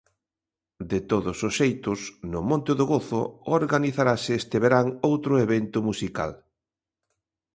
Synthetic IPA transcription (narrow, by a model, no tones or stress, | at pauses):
d̪et̪oðʊsosʃejt̪ʊsnʊmõnt̪ɪðʊɣoθʊoɾɣaniθaɾasɪest̪eβeɾaŋowt̪ɾʊeβent̪ʊmusika̰l